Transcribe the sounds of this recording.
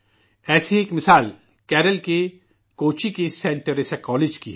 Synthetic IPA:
ɛːsieːkmɪsaːl | kɛːɾəlke | koːt͡ʃikesẽːɳʈəɾesekɔːleːd͡ʒkiɦ

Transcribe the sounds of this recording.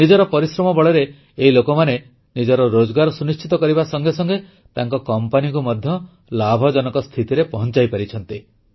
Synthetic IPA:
nid͡ʒɔɾɔpɔɾisɾɔmɔbɔɭeɾeː | ɦilokɔmane | nid͡ʒɔɾɔɾod͡ʒɔɡaɾɔsunist͡ʃit̪ɔkɔɾibasɔŋɡesɔŋɡe | t̪aŋkɔkɔmpanikumɔd̪ʱjɔ | labʱɔd͡ʒɔnɔkɔst̪ʰit̪iɾepɔɦɔnt͡ʃajpaɾit͡ʃʰɔnt̪i

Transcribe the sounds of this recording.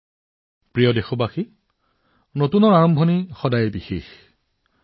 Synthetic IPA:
pɹijɔdexɔbaxi | notunɔɹaɹɔmbʱɔnixɔdajebixḛx

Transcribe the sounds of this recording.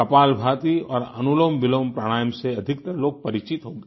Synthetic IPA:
kɐpaːlbʱaːt̪iɔːɾɐnuloːmʋɪloːmpɾaɽ̃aːjəmseɐd̪ʱɪkt̪ɐɾloːɡ̚pɐɾɪt͡ʃɪt̪ɦoːɡeː

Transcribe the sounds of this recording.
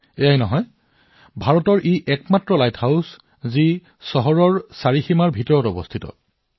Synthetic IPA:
ɛjajnɔɦɔj | bʱaɹɔtɔɹʔiʔɛkmatɹɔlajthaws | zi | sɔɦɔɹɔɹsaɹiximaɹbʱitɔɹɔtɔbɔ̰stʰitɔ̰

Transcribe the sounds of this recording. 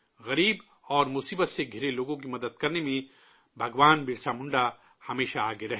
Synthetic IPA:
ɣɐɾiːb | ɔːɾmʊsiːbət̪seɡʱɪɾeloːɡõkimɐd̪əd̪̚kɐɾnemẽ | bʱɐɡʋaːnbɪɾsamʊ̃ɳɖa | hɐmeːʃaaːɡeɾɐɦe

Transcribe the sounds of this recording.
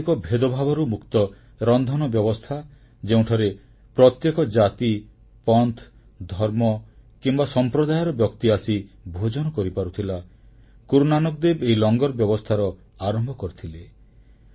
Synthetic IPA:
kɔbʱed̪ɔbʱabɔɾumukt̪ɔ | ɾɔnd̪ʱɔnɔbjɔbɔst̪ʰa | d͡ʒeũʈʰɔɾe | pɾɔt̪jekɔd͡ʒat̪i | pɔnt̪ʰ | d̪ʱɔɾmɔkimbasɔmpɾɔd̪ajɔɾɔbjɔkt̪iasibʱod͡ʒɔnɔkɔɾipaɾut̪ʰila | kuɾunanɔk̚d̪ebeilɔŋɡɔɾbjɔbɔst̪ʰaɾɔ | aɾɔmbʱɔkɔɾit̪ʰile

